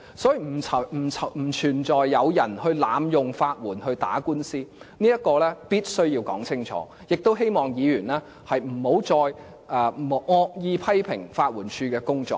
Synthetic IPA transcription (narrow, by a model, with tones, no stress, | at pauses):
sɔː˨˥ji˨m̩ʰ˨˩ɐ˨˩m̩˨˩t͡sʰɐ˨m̩˨˩t͡ʃʰyː˨˩nt͡ʃɔː˨jːɐ˨˧wjɐ˨˩nhɵ˧ɥlaː˨˧mjʊ˨ŋfaː˧t̚wuː˨˩nhɵ˧ɥt̪a̰ː˨˥kuː˥nsiː˥niː˥jɐ˥t̚kɔː˧lɛː˥piː˥t̚sɵ˥ɥjiː˧wkɔː˨˥ŋt͡sʰɪ˥ŋt͡ʃʰɔ̰ː˨˦ | jɪ˨k̚t̪o˥wɦe˥jmɔː˨˩ŋjiː˨˧jyː˨˩nlɛː˥ | hɐ˨jm̩˨˩ho˨˥wt͡sɔː˨j | ʔɛ˨˧m˨ŋɔː˧k̚jiː˧pʰɐ˥jpʰɪ̰˨˩ŋfaː˧t̚wuː˨˩nt͡ʃʰyː˧kɛː˧kʊ˥ŋt͡sɔ̰ː˨˩k̚